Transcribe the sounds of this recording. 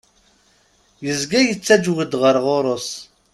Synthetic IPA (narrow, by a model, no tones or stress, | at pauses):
jəzɡæjət͡sːæd͡ʒwəd̪ʁəɾʁoɾˤos